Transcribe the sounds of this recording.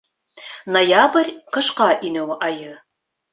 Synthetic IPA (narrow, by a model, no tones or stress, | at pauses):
nojabrʲqɤ̆ʃqɑʔinɘwʔɑjɤ